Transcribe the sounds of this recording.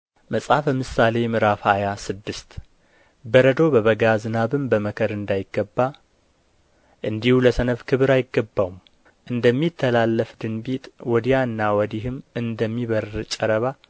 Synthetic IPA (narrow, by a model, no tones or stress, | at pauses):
məsʼafləmɨsale̞mɨɾafhajasɨd̪ːɨst̪ | bəɾəd̪o̞bəβəɡazɨnaβɨmbəməkʰəɾɨnd̪ajɪɡːəbːa | ʔɨnd̪ihuləsənəfkʰɨβɨɾajɪɡːəbːawum | ʔɨnd̪əmːit̪ʰːəlalːəfd̪ɨnbit̪ʼwɔd̪ijaɨnːawɔd̪iɦɨmɨnd̪əmːiβəɾt͡ʃʼɛɾəβa